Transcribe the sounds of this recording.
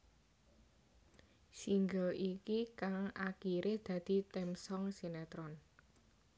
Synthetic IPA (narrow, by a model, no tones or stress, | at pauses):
siŋɡəlʔikikaŋakiɾʔed̪̥ä̤d̪̥i̤t̪ɛmsɔŋsinɛt̪ɾɔn